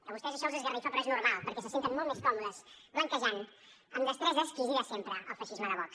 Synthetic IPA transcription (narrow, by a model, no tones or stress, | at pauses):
əβust̪ɛzəʃɔwzezɣərifɔpɾɔeznuɾmalˠpəɾkɛs̬əsent̪ənmɔlˠt̪meskɔmuðəsbaŋkəʒan | əmd̪əst̪ɾɛzəskiðiasempɾəəlˠfəʃizməðəβɔks